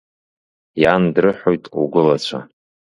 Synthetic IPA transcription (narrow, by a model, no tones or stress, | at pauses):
jandrɨħojtʼṵɡʷʊlat͡ɕʷʰa̰